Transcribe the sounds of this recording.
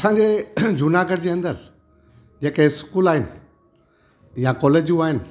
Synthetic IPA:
ɐsãːɲd͡ʑeːd͡ʑʱunaːɡəɽd͡ʑeːɐ̃nd̪əɾ | d͡ʑeːkeskuːlaːɦɪnɪ̆ | jakɔːleːd͡ʑjũaːɦɪnɪ̆

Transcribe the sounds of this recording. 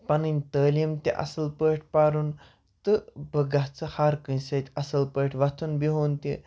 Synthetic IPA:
pɐninʲt̪əːlimt̪ḛʔɐ̰sɐlpəʈʰpaɾuːn | t̪ɨbəɡaɦt͡səhaɾkənsət̪ʲɐsɐlpəʈʰʋat̪ʰuːnbiɦoːnt̪ḛ

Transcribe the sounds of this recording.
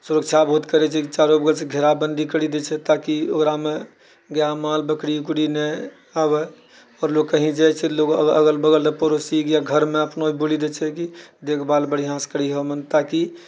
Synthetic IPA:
suɾək̚t͡ʃʰabɦut̪kəɾɛt͡ʃʰɛkit͡ʃaɾobəɡəlt͡ʃʰɛɡʱeɾabənd̪ʱikəɽid̪ɛt͡ʃʰɛt̪akiokɾame | ɡjamalbəkɽiukɽinɛ | abɛ | ɔɾloɡkəɦĩd͡ʒajt͡ʃʰɛloɡəə̰ɡəlbəɡəlepəɾosikjaɡʱəɾmeəpnoibolid̪et͡ʃʰɛkid̪ekʰbalbəɽiɦãskəɽiɦomənt̪aki

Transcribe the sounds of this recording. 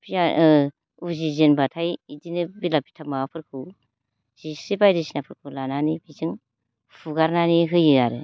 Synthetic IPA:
pʰijaʔ | uzizenbatʰajidinɯbilapi̥tʰamaapʰɯɾkʰɯw | z̥isibajɾisinapʰɯɾkʰɯlananibizɯŋ | pʰuɡaɾnaniɦɯjɯjaɾɯ

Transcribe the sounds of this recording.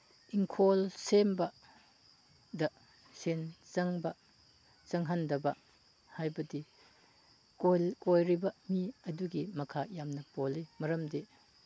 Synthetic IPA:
iŋkʰolsembɐ | dɐ | sent͡ʃɐŋbɐ | t͡ʃɐŋɦandɐbɐ | hajbɐdi | kolkojɾibɐmiɐduɡimɐkʰajamnɐpolimɐɾɐmde

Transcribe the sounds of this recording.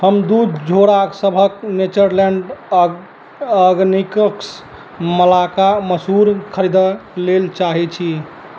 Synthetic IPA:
həmd̪ud̪d͡ʒʱoɾaksəbʱəknet͡ʃəɾlɛ̃ɳɖ | əɡnikəks | məlakaməsɦuɾkʰəɾid̪əlelt͡ʃaɦɛt͡ʃʰi

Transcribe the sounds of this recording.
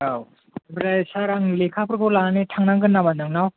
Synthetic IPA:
aw | bɾajsaɾaŋlekʰapʰɯɾkɯwlanitʰaŋnaŋɡɯnːabanɯŋnaw

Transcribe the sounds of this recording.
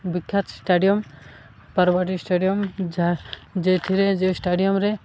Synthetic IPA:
bikʰjat̪sʈaɖijɔm | paɾbaʈ̬isʈaɖijɔmd͡ʒad͡ʒet̪ʰiɾed͡ʒesʈaɖijɔmɾe

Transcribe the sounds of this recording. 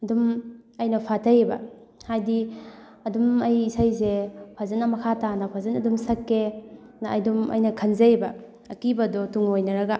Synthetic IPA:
ɐdumɐjnɐpʰatʰɐjebɐ̰hajdi | ɐdumɐjisajsepʰazɐnɐmɐkʰatanɐpʰazɐnɐdumsɐkːe | nɐɐjdumɐ̰jnɐkʰɐnzɐbɐː | kibɐdɔtuŋojnɐɾɐɡɐ

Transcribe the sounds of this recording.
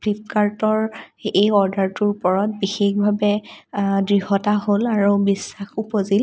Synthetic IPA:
plip̚kaɹtɔɹejɔɹdaɹtʊɹpɔɹɔt̚bixexbʱabɛ | dɹihɔtaɦolaɹubisːaxupozil

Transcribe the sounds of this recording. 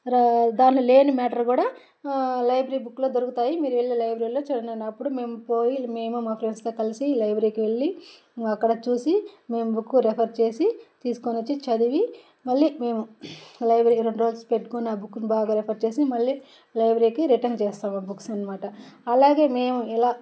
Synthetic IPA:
d̪aːnlole̞ːnimɛːʈɐɾkuːɽaː | lɐjbɾiːbukːlo̞ːd̪oɾukut̪aːjimiːɾuʋeɭːilɐjbɾiːlo̞ːt͡ʃuɽɐnɐnɐpːuɽume̞ːmupo̞ːjime̞ːmumɐːpʰɾenst̪oːkɐlisilɐjbɾiːkiʋe̞ɭːi | ɐkːɐɽɐt͡ʃuːsime̞ːmubʱukːuɾepʰɐɾt͡ʃe̞ːsit̪iːsu̥konɐt͡ʃːit͡ʃɐd̪iʋi | mɐɭːime̞ːmulɐjbɾiːɾoɳɖuɾoːlspeʈːu̥konaːbukːunibaːɡaːɾepʰɐɾt͡ʃe̞ːsimɐɭːi | lɐjbɾiːkiɾiʈɐnt͡ʃɛːst̪aːmabukːsɐnɐmaːʈɐɐlaːɡe̞ːme̞ːmuilaː

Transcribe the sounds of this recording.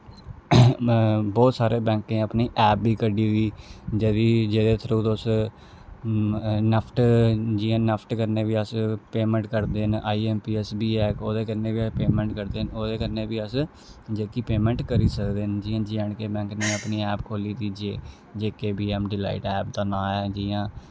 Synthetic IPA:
bɔːt̪saːɾeːbɛ̃ːŋknẽːəpniːʔɛːp̚biːkəɖiːiːd͡ʒeːd̪iːd͡ʒeːd̪eːt̪ʰəɾũːd̪oːs | nəpʰʈd͡ʒiːãːnəpʰʈkəɾneːʋiːəspeːmɛ̃ɳʈkəɾd̪eːnʔaːiːɛːmpiːɛsbiːɛːkoːd̪eːkəɾnẽːbipeːmɛ̃ɳʈkəɾd̪eːnoːd̪eːkəɾneːbiːəs | d͡ʒeːkiːpeːmɛ̃ːɳʈkəɾiːsəkd̪eːnd͡ʒiːãːd͡ʒiə̃ːɳkeːbɛ̃ːŋkneːəpniːɛːpkʰoːliːt̪iːd͡ʒeː | d͡ʒeːkeːbiːɛːmɖɪla̰ːɪʈɛːp̚d̪aːnãːɛːd͡ʒiːãː

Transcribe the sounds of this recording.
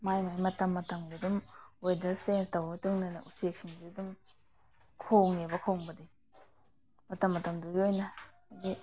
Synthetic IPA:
majmajmɐtɐmːɐtɐmdudumwedɐɾsenstɐwitɯŋnɐnɐusek̚siŋbidum | kʰoŋebɐkʰoŋbɐdi | mɐtɐmːɐtɐmduɡiojnɐ | ɡi

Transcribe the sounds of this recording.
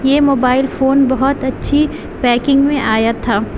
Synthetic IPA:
jeːmoːbaːɪlfoːnbɐɦɔt̪ɐtːʃʰi | pɛːkɪ̃ŋɡmẽʔaːjat̪ʰaː

